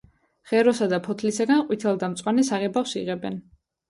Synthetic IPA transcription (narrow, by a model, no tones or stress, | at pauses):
χɛɾɔsad̪apʰɔt̪ʰlisaɡanqʼwit̪ʰɛlˠd̪amt̪sʼwanɛsaʁɛbafsiʁɛbɛn